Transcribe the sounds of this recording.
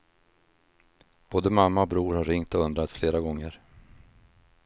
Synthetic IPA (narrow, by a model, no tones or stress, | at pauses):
b̥oːd̪əmamːaɔbɾuːɾhaɾɪŋt̪ɔɵnd̪ɾat̪fleːɾaɡɔŋːəɾ